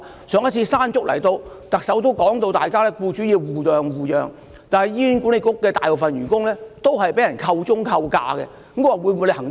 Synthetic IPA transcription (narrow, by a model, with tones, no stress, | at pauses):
sœː˨˧ŋɐ˥t̚t͡sʰiː˧saː˥nt͡ʃʊ˥k̚lɐ̰˨˩jt̪o˧w | t̪ɐ˨k̚sɐ˨˥wt̪̬o˥wkɔː˨˥ŋt̪o˧wt̪aː˨jkaː˥lɛː˥kuː˧t͡ʃyː˨˥jiː˨˧wwuː˨˩jœː˨ŋwuː˨jœ̰ː˨ŋ | t̪aː˨nhɐ˨jjiː˥nku˨˥ne˧kʊ˥kːɛː˧t̪aː˨˩jpo˨wfɐ˨nɥyː˨˩nkʊ˥ŋlɛː˥t̪o˥wɦɐ˨jpe˨˥jɐ˨˩nkʰɐ˧wt͡ʃʊ˥ŋkʰɐ˧wka̰ː˧kɛ̰˧˦m˥kɔ˧˥a˨wu˨˧jmu˨˧le˧ɦɐ˨˩ŋ